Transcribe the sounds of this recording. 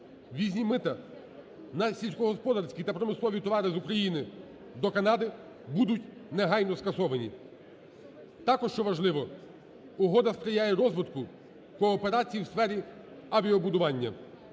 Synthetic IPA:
ʋʲizʲnʲimɪt̪ɐ | nɐsʲilʲsʲkɔɦɔspɔd̪ɐɾsʲkʲit̪ɐpɾɔmɪslˠɔʋʲit̪ɔʋɑɾɪzʊkɾɐjinɪ | d̪ɔkɐnɑd̪ɪ | bud̪ʊtʲneɦɑjnɔskɐsɔʋɐnʲḭ | t̪ɑkɔʃt͡ʃɔʋɐʒlˠɪʋɔ | ʊɦɔd̪ɐsp̪ɾʲɪjajɛɾɔzʋɪd̪kʊ | kɔːpeɾɑt͡sʲijiwsfɛɾʲi | ɐʋʲiɔbʊd̪ʊʋɑnʲːɐ̰

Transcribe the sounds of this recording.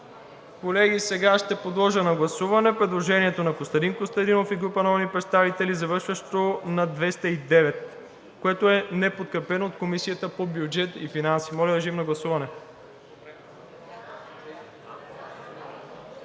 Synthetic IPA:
kolɛɡisɛɡaʃt̪ɛpod̪lˠɔʒənɐɡlˠɐsuvɐnɛpɾɛd̪lˠoʒɛniɛt̪onɐkost̪ɐd̪inkost̪ɐd̪inofiɡɾupɐnɔnipɾɛt̪st̪avit̪ɛlizɐvɤɾʃvəʃt̪onɐd̪vɛst̪əid̪ɛvɛt̪ | koɛt̪oɛnɛpot̪̚kɾɛpɛnoːt̪̚komisijət̪əpobjud͡ʒɛt̪ifinansi̥mɔlʲəd̪ɐʒimnɐɡlˠɐsuvɐnɛ

